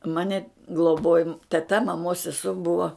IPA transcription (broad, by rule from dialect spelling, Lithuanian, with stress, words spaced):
ˈmɑːnʲɪ ɡlˠoːˈboːjoː tʲɛˈtɐ mɐˈmoːs sʲɛˈsuɔ ˈbʊʋoː